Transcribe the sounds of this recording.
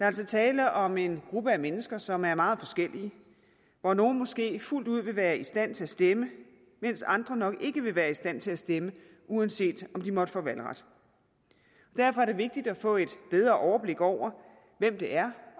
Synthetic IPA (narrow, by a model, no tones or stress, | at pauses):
d̥ɑ̈æl̰sɒ̽t͡sʰɛːləʔɒ̽me̝nɡ̥ʁub̥əæmenəsɡ̥ɐsɒ̽mæɐmɑ̈ːð̞̩ˠfɒ̽sɡ̥el̰iə | ʋɒno̝ːn̩mɒ̽sɡ̥e̝̰ːful̰d̥uð̞̰ˠʋe̝ʋæːɐisd̥æn̰t͡sʰe̝læsd̥emə | men̰sɑ̈nd̥ʁɐnɒ̽ɡ̥e̝ɡ̥əʋe̝ʋæːɐisd̥æn̰t͡sʰe̝læsd̥emə | uænse̝̰ːd̥ɒ̽md̥imɒ̽d̥ə̥fɔ̰ːʋælʁɑd̥ | ɒd̥æɐfɒ̽æɐ̥e̝ʋe̝ɡ̥̚d̥id̥æfɔ̰̽ːe̝d̥b̥eð̞ˠʁɐʔɒʊɐb̥le̝ɡ̥ɒʊ̰ɐ | ʋemd̥e̝ʔæɐ